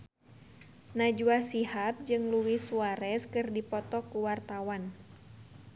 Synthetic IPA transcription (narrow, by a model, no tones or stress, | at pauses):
nad͡ʒuasihap̚d͡ʒɨŋluwisuaɾɛskɨrdipɔt̪ɔkuwart̪awan